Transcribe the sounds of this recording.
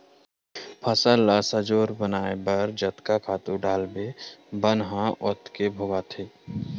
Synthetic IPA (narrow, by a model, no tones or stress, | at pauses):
pʰəsəlːasəd͡ʒoːɾbənaːebəɾd͡ʒət̪kakʰaːt̪uɖaːlbebənɦãʔɔt̪kebʱoɡat̪ʰeː